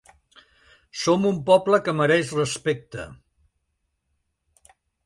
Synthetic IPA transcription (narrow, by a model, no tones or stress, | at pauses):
somumpɔpləkəməɾɛʃrəspek̚t̪ə̰